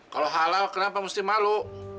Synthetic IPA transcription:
kaloɦalalkənapamust̪imalu

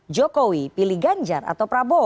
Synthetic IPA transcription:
d͡ʒɔkowipiliɡaɲd͡ʒa̰ra̰t̪awpɾabɔ

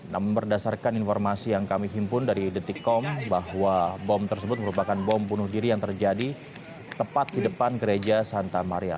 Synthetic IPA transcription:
namʊnbərdasarkaninfɔrmasijaŋkamiɦimpʊndaɾidət̪ikːɔmbahwabɔmt̪ərsəbʊt̪̚məɾupakanbɔmbunʊhdiɾijaŋt̪ərd͡ʒadi | t̪əpat̪̚didəpanɡəɾed͡ʒasant̪amaɾia̰

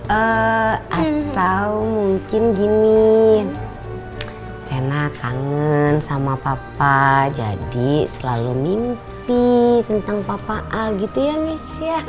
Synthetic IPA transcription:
əʔat̪aumuŋkɪnɡini | kenakaŋənsamapapad͡ʒa̰disəlalumimpit̪ənt̪aŋpapaʔalɡit̪ujanisija

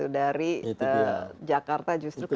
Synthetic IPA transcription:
udaɾiəd͡ʒakart̪ad͡ʒust̪ɾu

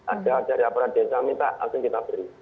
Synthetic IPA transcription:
adadaɾiapuɾadɛsamit̪a̰a̰siŋɡit̪abɾi

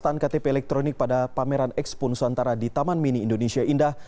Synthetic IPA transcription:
t̪ankat̪epeːlɛk̚t̪ɾonɪk̚padapameɾanɛkspʊnsant̪aɾadit̪amanminiːndonesiaindah

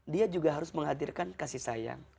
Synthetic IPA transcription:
diad͡ʒuɡaɦaɾʊsməŋɦadirkankasisaja̰ŋ

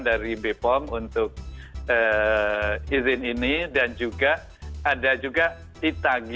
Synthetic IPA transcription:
ndaɾibepɔŋunt̪ʊk̚ə | izɪninidand͡ʒuɡa | adad͡ʒuɡa | it̪aɡ

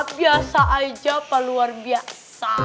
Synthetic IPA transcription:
biasaʔaid͡ʒapaluarbia | sa

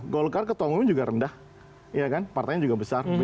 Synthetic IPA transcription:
ɡolkarkət̪ɔŋumd͡ʒuɡaɾəndah | jakanpart̪aɲad͡ʒuɡabəsarbə

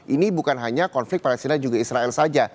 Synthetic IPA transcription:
ʔinibukanɦaɲakɔnflɪk̚palɛst̪inad͡ʒuɡaisɾaɛlsad͡ʒa

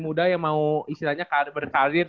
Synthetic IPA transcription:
mudajaŋmauist̪ilahɲakabərkaɾɪr

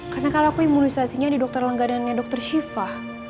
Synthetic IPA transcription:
karnakalakuimunisasiɲadidɔk̚t̪ɔrləŋɡadanɲadɔk̚t̪ɔrʃifah

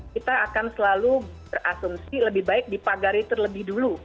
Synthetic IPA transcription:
kit̪aːkansəlalubərasumsiləbɪhbaɪk̚dipaɡaɾit̪ərləbɪhdulu

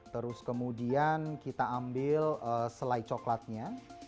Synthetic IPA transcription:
t̪əɾʊskəmudiankit̪aambɪləsəlait͡ʃoklat̪̚ɲa

